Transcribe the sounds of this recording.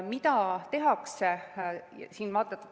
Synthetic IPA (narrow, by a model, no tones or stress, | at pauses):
mit̪ɑt̪e̞ɦɑksḛ | siːnmɑːt̪ːˑɑt̪ː